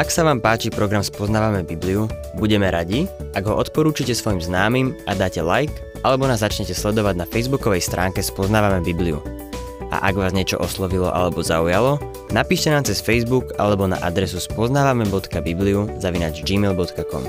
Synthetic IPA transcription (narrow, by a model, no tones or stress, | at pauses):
aksaʋaːmpaːt͡ʃipɾɔɡɾamspɔznaːʋamɛbibliu | buɟɛmɛɾaɟiʔaɡɦɔʔɔt̪pɔɾuːt͡ʃicɛsʋɔjimznaːmimad̪aːcɛlajk | ʔalɛbɔnaːzːat͡ʃɲɛcɛslɛd̪ɔʋaɟnafɛjzbukɔʋɛjst̪ɾʔaːŋkɛspɔznaːʋamɛbibliṵ | a̰ʔaɡʋaːzɲɪɛt͡ʃɔ̰ʔɔslɔʋilɔ̰ʔa̰lɛbɔzaujalɔ | napiːʃcɛnaːmt͡sɛsfɛjzbuka̰lɛbɔna̰ʔad̪ɾɛsuspɔznaːʋamɛbɔt̪kabibliuzaʋina̰d͡ʒd͡ʒiːmɛlbɔt̪kakɔ̰m